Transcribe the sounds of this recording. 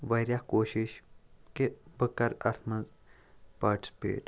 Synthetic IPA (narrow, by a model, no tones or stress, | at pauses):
ʋɐjɾjakoːʃiʃkebəkːɐɾɐ̰ɾt̪ʰmɐz | pɐːʈspḛːʈ